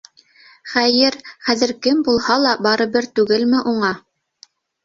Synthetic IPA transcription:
χæjɘɾχæðɘ̆ɾkɘmbulˠhɑlˠɑbɑɾɤ̆βɘɾt̪ʉɡɘlmɘʔuɴɑ

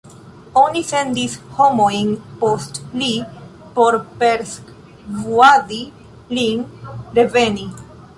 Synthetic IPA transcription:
onifend̪ishomoiŋpost̪li | poɾpeɾsk | vuaði | liŋɾeveni

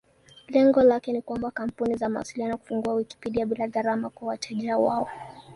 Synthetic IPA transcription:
lɛŋɡɔlakɛnikwambakam̩punizamawa̰silianɔku̥fuŋɡuawiki̥piɗiaɓilaðaɾamakwawatʰaʄiawaɔ

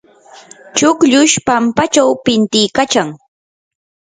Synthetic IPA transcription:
t͡ʃʊkʎʊʃpampat͡ʃawpɪnt̪ɪjkat͡ʃaŋ

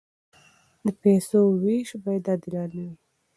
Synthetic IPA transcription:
d̪əpesowiʃbɑjad̪ɑd̪ɪlɑnawi

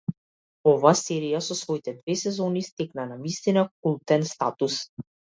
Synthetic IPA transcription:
ɔvaːsɛɾijasɔsvɔit̪ɛd̪vɛsɛzɔnist̪ɛknanamist̪inak̚ulˠt̪ɛnst̪at̪us

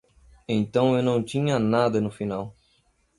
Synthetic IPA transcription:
ẽnt̪ɐ̃w̃ewnɐ̃w̃t̪ĩɲɐnad̪ɐnʊfinaw

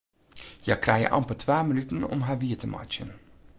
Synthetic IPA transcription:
jaːkrɛjə̰ʔɑ̰mpətʰʋaːmənytənɔ̰mɦaːʋiətəmɑ̰t͡ʃə̰n

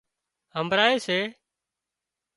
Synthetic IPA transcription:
həmbɾaːeːseː

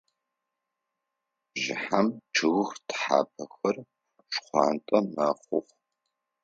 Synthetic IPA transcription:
ʒɪħamʈ͡ʂʰɨɣxtħa̰ːpʰɐxɐr | ʂχʷɑ̰ːntʼɐmaːχʷʊχʷ

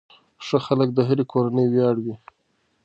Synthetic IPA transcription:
ʂəxalək̚d̪əɦaɾikʰoɾanəjwjɑɽwi

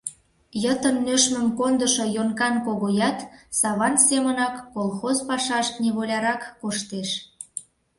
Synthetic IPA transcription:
jət̪ə̆nːøʃmə̆mkond̪əʃojonkɑnkoɣojɑt̪sɑβɑnsemənɑkːolˠxozpɑʃɑʃneβolʲɑɾɑkːoʃt̪eʃ

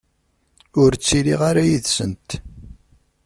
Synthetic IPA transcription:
ʊɾt͡sːiliʁaɾajiðsənt̪

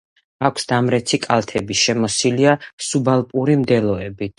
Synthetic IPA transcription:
akʷʰsd̪amɾɛt̪sʰikʼalˠt̪ʰɛbiʃɛmɔsiliasubalˠpʼuɾimd̪ɛlˠɔɛbit̪

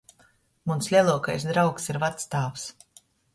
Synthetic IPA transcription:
munslʲiɛlˠuɔkajsd̪ɾawksiɾvat̪st̪aːvs

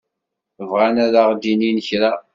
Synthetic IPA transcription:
əvʁanæðaʁd̪ininəçɾa

